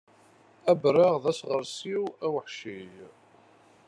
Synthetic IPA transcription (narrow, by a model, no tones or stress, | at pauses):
æbɾɑʁðæsʁəɾsiwæwəħʃij